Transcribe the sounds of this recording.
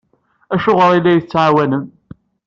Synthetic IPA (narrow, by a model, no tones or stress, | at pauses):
æʃʊʁəɾˤilːæjθət͡sːʕawænəm